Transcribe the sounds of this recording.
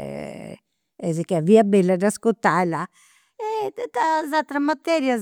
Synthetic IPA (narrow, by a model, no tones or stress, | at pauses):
ɛ̰ | ɛzikɛaviabɛlːad̪askot̪ːala | ɛt̪azalt̪ɾamat̪ɛɾjaz